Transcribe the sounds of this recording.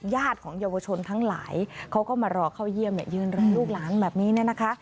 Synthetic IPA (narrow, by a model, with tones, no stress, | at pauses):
jaː˥˩t̪̚kʰɔː˩˦ŋjaː˧wa˧t͡ɕʰo˧nt̪ʰa˦˥ŋla̰ː˩˦jkʰa˦˥wkɔː˥˩maː˧ɾɔː˧kʰaː˥˩wji˥˩əmja̰˨˩jɯː˧nɾɔː˧luː˥˩k̚laː˦˥nbɛː˨˩p̚niː˦˥ni˥˩ɐna˦˥kʰa˦˥ʔ